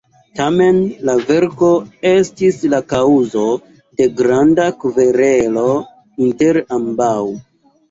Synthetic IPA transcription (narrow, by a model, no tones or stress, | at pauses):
tame̞nlave̞ɾko̞e̞stislakauzo̞ | de̞ɡɾandakuve̞ɾe̞lo̞ | inte̞ɾambaw